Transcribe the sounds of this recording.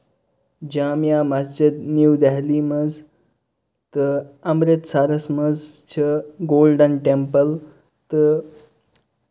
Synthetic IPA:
d͡ʑaːmjaːmɐsd͡ʑid̪njuwd̪aɦliːmɐz | t̪ɨɐmɾit̪saːɾɐsmɐzt͡ʃʰiɡoːlɖənʈempəl | t̪ɨ

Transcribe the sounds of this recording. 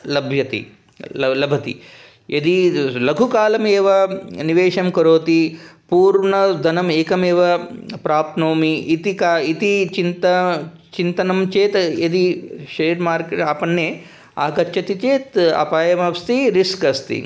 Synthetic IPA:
lɐbʱjɐt̪ḭ | lɐlɐbʱɐt̪ḭ | ed̪ilɐɡʱukaːlɐmeːʋɐniʋeːʂɐmkɐɾoːt̪ipuːɾɳɐd̪ʱɐnɐmeːkɐmeːʋɐpɾaːpnoːmiʔːt̪ikait̪it͡ʃint̪ɐ | t͡ʃint̪ɐnɐmt͡ʃeːt̪ed̪iʃɐɾɐɾmaːɾkeʈaːpɐɳːeː | a̰ːkɐːt͡ʃʰːɐt̪it͡ʃeːt̪ɐ̰paːjɐmɐst̪iɾiskɐst̪ḭ

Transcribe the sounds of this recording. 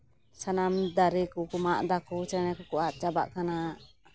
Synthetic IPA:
sanamd̪aɾikukumaʔd̪akut͡ʃɛnɛkukuʔaʔt͡ʃabaʔkanaʔ

